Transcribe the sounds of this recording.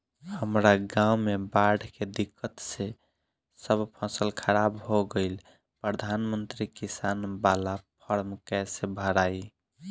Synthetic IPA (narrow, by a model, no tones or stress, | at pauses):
həmɾaɡãwmebaɖʱked̪ikːət̪se | səbpʰəsəlkʰəɾabɦoɡəɪl | pɾəd̪ʱanmənt̪ɾikisanbalapʰəɾmkɛsebʱəɾai